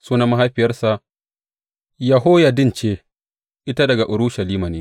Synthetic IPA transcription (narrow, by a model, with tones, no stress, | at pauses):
suː˦na˦ma˦ɦa˦jɸɪ˨jɐ˦rsa˨ʔ | jɐ˨ɦoː˦ja˨dɪ˦nt͡ʃeː˦ | ʔɪ˦ta˦dɐ˨ɡa˨ʔʊ˨ɾʊ˦ʃɐ˨liː˦ma˨neː˦